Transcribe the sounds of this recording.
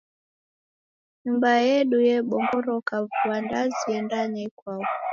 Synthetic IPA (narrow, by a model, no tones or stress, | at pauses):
ɲumbajɛɗujɛɓɔŋɡɔɾɔkavuwandaziɛndanɛkwavɔ